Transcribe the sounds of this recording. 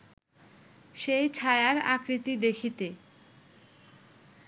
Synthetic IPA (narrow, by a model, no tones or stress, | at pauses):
ʃejt͡ɕʰaeaɾa̰kɾit̪id̪ekʰit̪e